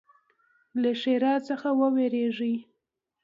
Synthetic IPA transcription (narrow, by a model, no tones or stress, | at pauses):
laʃeɾɑt͡səxawəweɾeʐəj